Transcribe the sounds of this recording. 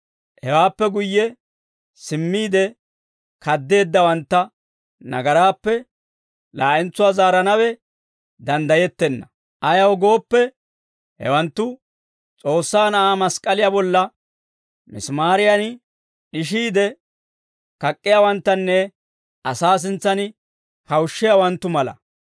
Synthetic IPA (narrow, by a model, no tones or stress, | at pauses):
hɛwaːpːɛɡʊjːɛ | sɪmːiːd̪ɛ | kɐd̪ːe̞ːd̪ːɐwɐnt̪ːɐ | nɐ̰ɡɐɾaːpːɛ | laːʔɛnt͡sːʊwaːzaːɾɐnɐwɛ | d̪ɐnd̪ɐjɛt̪ːɛnːɐ | ʔɐjɐwɡo̞ːpːɛ | hɛ̰wɐnt̪ːʊ | t͡sʼo̞ːsːaːnɐʔaːmɐskʼɐlɪjabɔlːɐ | mɪ̰smaːɾɪjɐn | ɗɪʃ̬iːd̪ɛ | kɐkʼːɪjawɐnt̪ːɐnːɛ | ʔɐsaːs̬ɪnt͡sːɐnɪ | hɐwʃːɪjawɐnt̪ːʊmɐlɐ̰